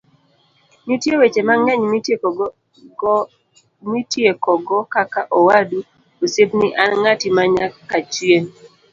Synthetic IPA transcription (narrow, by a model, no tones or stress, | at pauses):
ɲutjewet͡ʃemaŋɛɲm | mitjekɔɡɔkakaʔɔwadu | osepniʔanŋatimaɲakːat͡ʃwjeŋ